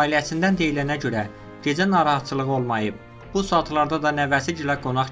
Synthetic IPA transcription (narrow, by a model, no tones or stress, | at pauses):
iliæsind̪ænd̪e̞jilænæɟø̞ɾæ | ɟe̞d͡ʒænɑːɾɑɦɑt̪t͡ʃʰɯlˠɯʁo̞lˠmɑjɯb̚ | b̥usuɑt̪ʰlˠɑɾd̪ɑd̪ɑnævæsiɟilæɡo̞nɑχ